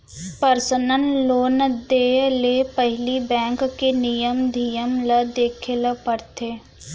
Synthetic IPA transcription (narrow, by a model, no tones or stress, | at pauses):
pəɾsənənloːnd̪eːlepəɦlibɛ̃ːŋkːenijəmd̪ʱijəmlɐd̪eːkʰeləpəɽt̪eː